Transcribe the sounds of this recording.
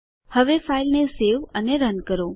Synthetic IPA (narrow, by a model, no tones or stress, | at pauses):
həʋefailneseʋəneɾənkəɾo